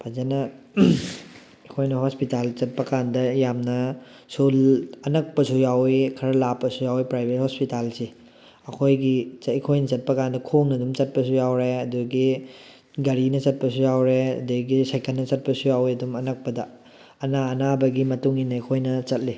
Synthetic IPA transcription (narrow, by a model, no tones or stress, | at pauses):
pʰazenɐ | ɐkʰojnɐɦospitalt͡ʃɐt̚pɐkandɐjamnɐ | sulɐnɐk̚pɐsujawikʰɐɾɐlapːɐsujawipɾajbʱet̚hospitalsi | ɐkʰojɡiikʰojnɐt͡ʃɐt̚pɐkandɐkʰoŋnɐdumt͡ʃɐt̚pɐs̬ujawɾeɐduɡi | ɡɐɾinɐt͡ʃɐt̚pɐsujawɾeɐ̰duɡisajkɐlnːɐt͡ʃɐt̚pɐsujawiɐdumɐnɐk̚pɐdɐː | naɐnabɐɡimɐtuŋinɐikʰojnɐt͡ʃɐt̚li